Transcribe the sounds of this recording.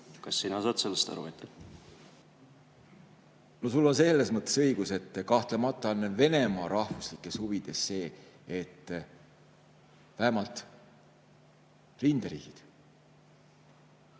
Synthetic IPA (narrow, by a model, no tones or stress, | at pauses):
kɑsːinɑsɑːt̪se̞lːest̪ɑ̰ɾṵvḛt̪ːɑ̥ | no̞sulːo̞nselːesmɤt̪ːˑe̞̥sɤjɡ̥use̞t̪ːˑkɑht̪lemɑt̪ˑːɑnve̞ne̞mɑːɾɑhvuslikːˑe̞shuvid̪̥e̞sːe̞ː | et̪ːˑ | væɦemɑlt̪ˑ | rind̪̥ɑɾḭːɡ̥id̪̥